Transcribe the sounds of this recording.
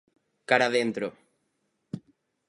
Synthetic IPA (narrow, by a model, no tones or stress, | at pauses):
kaɾaðent̪ɾo